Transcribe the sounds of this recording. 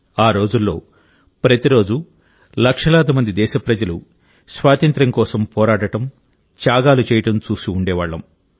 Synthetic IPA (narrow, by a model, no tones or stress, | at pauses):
aːɾo̞ːd͡ʒulːo̞̰ː | pɾɐt̪iɾo̞ːd͡ʒu | lɐkʂɐlaːd̪umɐnd̪id̪ɛːʃɐpɾɐd͡ʒɐlu | sʋaːt̪ɐnt̪ɾɐŋkɔːsɐmpɔːɾaːʈɐʈɐm | t͡ʃaːɡaːlut͡ʃɛːjɐʈɐmt͡ʃuːsiuɳɖɛːʋaːɭːɐ̰m